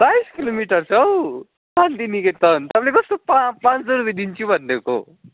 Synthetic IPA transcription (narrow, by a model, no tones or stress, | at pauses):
sajskilomiʈʌɾsʌw | pãnd̪iniket̪ʌnt̪ʌblekʌst̪opapãt͡sd̪oɾubid̪int͡ʃʰubʱʌnd̪eko̰